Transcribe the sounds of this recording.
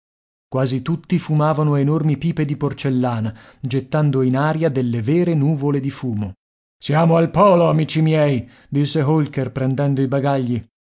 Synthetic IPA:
kwaːzit̪ut̪ːifumaːvanoenormipiːped̪iport͡ʃelːaːnad͡ʒet̪ːand̪oinaːɾjad̪elːevɛːɾenuːvoled̪ifuːmo | sjaːmoalpɔːloamiːt͡ʃimjɛi | d̪isːeɦolkerpɾɛnd̪ɛnd̪oibaɡaʎːi

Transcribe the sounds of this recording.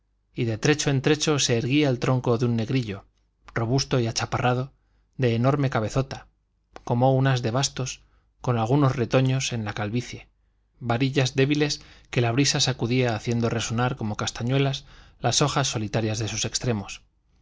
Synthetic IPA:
iðe̞t̪ɾe̞t͡ʃo̞e̞nt̪ɾe̞t͡ʃo̞se̞ːɾɣiaelt̪ɾo̞ŋko̞ðunːe̞ɣɾiʎo̞ | ro̞β̞ust̪o̞iat͡ʃaparʔað̞o̞ | ðe̞ːnoɾme̞kaβe̞θo̞t̪a | ko̞mo̞unazðe̞β̞ast̪o̞s | ko̞nalɣ̞uno̞zre̞t̪o̞ɲo̞se̞nlakalβiθje̞ | βaɾiʎazðe̞βile̞ske̞laβ̞ɾisasakuðiaːθje̞nd̪o̞re̞so̞naɾko̞mo̞kast̪aɲwe̞laslaso̞xasːo̞lit̪aɾjazðe̞suse̞kst̪ɾe̞mo̞s

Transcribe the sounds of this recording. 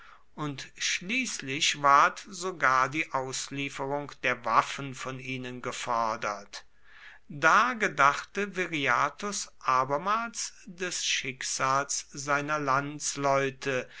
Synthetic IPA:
ʔʊntʃliːslɪçvaɐtz̥oɡaːɐdiːʔaʊsliːfəʁʊŋkd̥eːɐvafn̩fɔniːnənɡəfɔɐdɐt | d̥aːɡədaχtəveʁiaːtʊsʔaːbɐmaːlsd̥ɛsʃɪkz̥aːlszaɪnɐlant͡slɔʏtʰə

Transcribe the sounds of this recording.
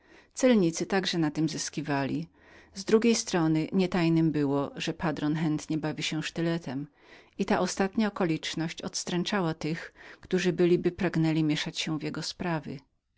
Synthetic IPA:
t̪sɛlɲit̪sɘt̪aɡʐɛnat̪ɘmzɘskʲivalʲi | zd̪ɾuɡʲejst̪ɾɔnɘɲɛt̪ajnɘmbɘwɔʐɛpad̪ɾɔnxɛnt̪ɲɛbavʲiɕɛʂt̪ɘlɛt̪ʰɛm | it̪aʔɔst̪at̪ɲaɔkɔlʲit͡ʂnɔɕt͡ɕɔ̰t̪st̪ɾɛnt͡ʂawat̪ɘxkt̪uʐɘbɘlʲibɘpɾaɡnɛlʲimʲjɛʂat͡ɕɕɛ̃vjɛɡɔspɾavʲjɪ̰

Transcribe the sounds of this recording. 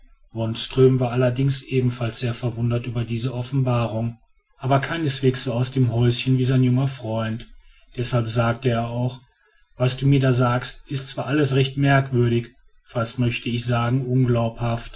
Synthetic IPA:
vɔnstʁ̥øːmvaːɐʔalɐdɪŋsʔeːbm̩falsz̥eːɐfɛɐvʊndɐtʔyːbɐdiːzəʔɔfn̩baːʁʊŋ | ʔaːbɐkʰaɪnəsv̥eːksz̥oːaʊsd̥eːmɦɔʏsçənviːzaɪnjʊŋɐfʁ̥ɔʏnt | d̥ɛshalpz̥aːk̚təeːɐaʊx | vasd̥uːmiːɐdaːzaːkstʔɪstt͡sv̥aːʔaləsʁɛçtmɛɐkv̥ʏɐɾɪç | fastmœçtʰəɪçz̥aːɡŋ̩ʔʊnɡlaʊphaft

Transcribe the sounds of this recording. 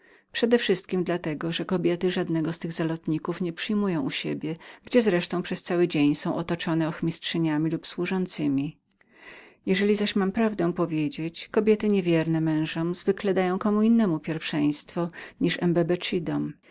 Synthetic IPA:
pʂɛd̪ɛfʂɘst̪kʲimd̪lat̪ɛɡɔʐɛkɔbʲjɛt̪ɘʐad̪nɛɡɔst̪ɘɣzalɔt̪ɲikufɲɛpʂɘjmujɔ̃w̃ʔuɕḛbʲjɛɡd͡ʑɛzɾɛʂt̪ɔ̃w̃pʂɛst̪sawɘd͡ʑeɲsɔ̃w̃ʔɔt̪ɔt͡ʂɔnɛɔxmʲistʂɛɲamʲilupswuʐɔnt̪sɘmʲi | jɛʐɛlʲizaɕmampɾavd̪ɛ̃pɔvʲjed͡ʑet͡ɕkɔbʲjɛt̪ɘɲevʲjɛɾnɛmɛ̃w̃ʐɔmzvɘklɛd̪ajɔ̃w̃kɔmuinːɛmupʲjɛɾfʂɛj̃st̪fɔɲiʂɛmbɛbɛt͡ʂid̪ɔm

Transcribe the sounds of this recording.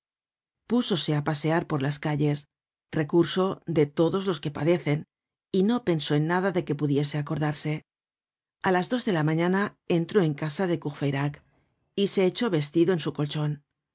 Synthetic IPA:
puso̞se̞apase̞aɾpo̞ɾlaskaʎe̞s | re̞kuɾso̞ðe̞t̪o̞ðo̞zlo̞ske̞pa̰ðe̞θe̞n | ino̞pe̞nso̞e̞nːaðaðe̞ke̞puðje̞se̞ako̞ɾðaɾse̞ | alazdo̞zðe̞lamãɲanae̞nt̪ɾo̞e̞ŋkasaðe̞kuɣfejɾak | ise̞ːt͡ʃo̞βe̞s̬t̪iðoe̞nsuko̞lt͡ʃo̞n

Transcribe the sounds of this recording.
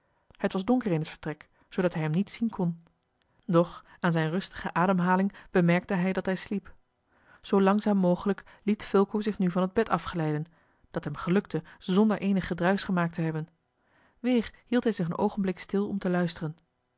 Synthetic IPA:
hətʋɑzdɔŋkəɹɪnɦətfəɹtrɛk | sowdɑtɦɛjɦɛmnitsinkʰɔn | dɔχaːnzɛjnrɵstə̥χəʔaːdəmɦaːlɪŋb̥əmɛɹk̚təɦɛjdɑtɦɛjslip | z̥owlɑŋzaːmːowχələklitfɪlˠkuzɪχnyvɑnɦəd̚bɛtɑfχəlɛjdən | d̥ɑtɦɛmχəlɵktəzɔndəɹʔejnəχədrœɥsχəmaːk̚təɦɛbən | ʋɪːɹhilˠtɦɛjzɪχənʔo̰wχənblɪkstɪlˠɔ̰mtəlœɥstərən

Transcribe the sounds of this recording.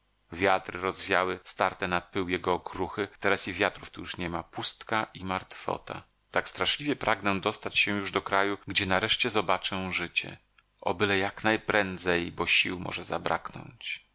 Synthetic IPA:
vʲjat̪ɾɘɾɔzvʲjawɘst̪aɾt̪ɛnapɘwjɛɡɔːkɾuxɘt̪ɛɾasivʲjat̪ɾuft̪ujuʂɲɛmapust̪kaimaɾt̪fɔ̰t̪a̰ | t̪akst̪ɾaʂlʲivʲjɛpɾʔaɡnɛ̃d̪ɔst̪at͡ɕɕɛ̃juʐd̪ɔkɾajuɡd͡ʑɛnaɾɛʂt͡ɕɛzɔbat͡ʂɛ̃ʐɘt͡ɕɛ̰ | ʔɔ̰bɘlɛjaknajpɾɛnd̪zɛjbɔɕiwmɔ̰ʐɛzabɾa̰knɔ̰ɲt͡ɕ

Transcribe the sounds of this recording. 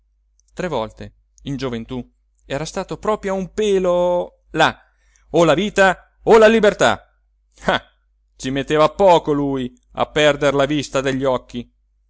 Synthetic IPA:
t̪ɾevːɔlt̪e | ind͡ʒovent̪u | ɛːɾast̪aːt̪opɾɔːpɾjoumpeːlo | la | olaviːt̪a | olalibert̪a̰ | a | t͡ʃimet̪ːeːvapːɔːkoluj | a̰pːɛrd̪erlavist̪ad̪eʎːɔkːi

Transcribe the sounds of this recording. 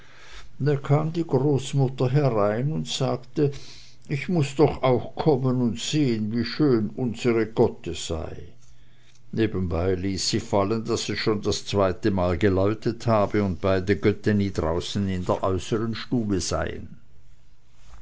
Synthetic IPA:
d̥akʰaːmdiːɡʁoːsmʊtɐɦɛʁaɪnʊntz̥aːktə | ɪçmʊsd̥ɔχaʊxkʰɔmənʊntz̥eːənviːʃøːnʔʊnz̥əʁəɡ̥œtəz̥a̰ɪ | neːbən̩baɪliːsːiːfaləndasiʃoːndast͡sv̥aɪtəmaːlɡəlaʏtəthaːbəʊnt̚b̥aɪdəɡœtəniːdʁaʊsn̩ɪndeːɐʔɔʏsəʁənʃtuːbəz̥a̰ɪə̰n

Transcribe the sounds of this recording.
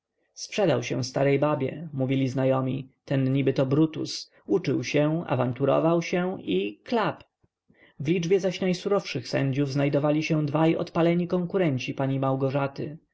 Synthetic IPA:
spʂɛd̪awɕɛ̰̃fst̪aɾɛjbabʲjɛ̰muvʲilʲiznajɔmʲit̪ɛnɲibɘt̪ɔbɾut̪ṵs | ut͡ʂɘwɕɛa̰vant̪uɾɔ̰vawɕɛiklap | vlʲid͡ʐbʲjɛzaɕnajsuɾɔfʂɘxsɛ̰ɲd͡ʑuvznajd̪ɔvalʲiɕɛ̃d̪vajɔ̰t̪palɛɲikɔŋkuɾɛɲt͡ɕipaɲimawɡɔʐat̪ɘ

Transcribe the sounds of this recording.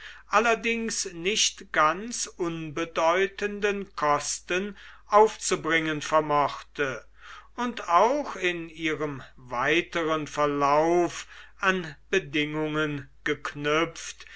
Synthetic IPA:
ʔalɐdɪŋsnɪʃtɡ̥ant͡sʔʊnbədɔʏtəndənkʰɔstən | ʔaʊft͡subʁɪŋənfɛɐmɔχtə | ʊntʰaʊxɪniːʁəmvaɪtəʁənfɛɐlaʊfʔanb̥ədɪŋʊŋənɡ̥əknʏp͡ft

